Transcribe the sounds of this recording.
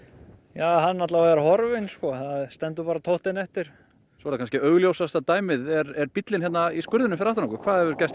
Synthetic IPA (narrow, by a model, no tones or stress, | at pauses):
jaːɦanːaht̪lavaɾhɔɾvɪnskɔθaðst̪ɛnt̪̬ʏpaːɾat̪ʰowht̪ɪnɛht̪ɪɾ̥ | svɔɾakʰanscɪœɣljowsast̪at̪aːjmɪðɛɾɛɾpit̪lɪnçɛt̪naiskʏɾðʏnʏmfɪɾaft̪anɔkʏkʰvaːðɛvʏɾcajst̪